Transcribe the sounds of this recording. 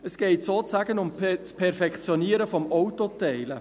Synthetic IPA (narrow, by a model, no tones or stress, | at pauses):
əsɡ̥ɛɪtsoːt͡saːɡənʊmʰspʰɛɾfɛkχt͡sjɔniːəɾəfɔmɔwtotɛɪlə